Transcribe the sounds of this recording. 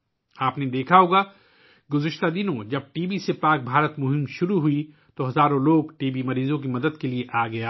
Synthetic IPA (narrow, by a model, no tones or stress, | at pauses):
aːpned̪eːkʰaɦoːɡa | ɡʊzɪʃt̪ad̪ɪnõd͡ʒɐb̚ʈiːbisepaːk̚bʱaːɾət̪mʊɦɪmʃʊɾuɦui | t̪oɦɐzaːɾõloːɡʈiːbimɐɾiːzõk̬imɐd̪əd̪kelieʔaːɡɐjaː